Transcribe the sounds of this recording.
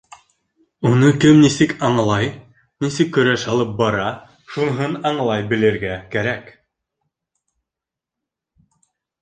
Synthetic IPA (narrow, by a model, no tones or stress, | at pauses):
unɤkɘmnisɘkɑɴlˠɑj | nisɘkːɵ̆ɾæʃhɑlˠɤp̚bɑɾɑ | ʃunɦɤnɑɴlˠɑjbɘ̆lɘ̆ɾɡækæɾæk